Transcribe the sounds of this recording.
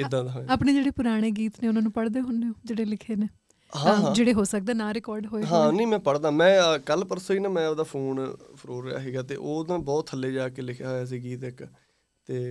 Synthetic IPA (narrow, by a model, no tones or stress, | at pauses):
ɪd̪ãːɦoːeaːpɳeːd͡ʒeːɽeːpʊɾaːɽ̃eːɡiːt̪neːʊnãːnũːpəɽd̪eːɦʊneõːd͡ʒeːɽeːlɪkʰeːneː | ɦaãːãːd͡ʒeːɽeːɦoːsək̚d̪ẽːnaːɾɪkɔːɾɖɦoːeːɦãːnəĩːmɛ̃ːpəɽd̪ãːmɛ̃ːkəlpəɾsoːiːnãːmɛ̃ːod̪aːpʰuːnpʰəɾoːɾəja̰ːɦɛːɡaːt̪ḛːʔoːd̪ãːbɔːt̪ʰːəlːeːd͡ʒaːkeːlɪkʰjaːɦoːjaːs̬iːɡiːt̪ɪk | t̪eː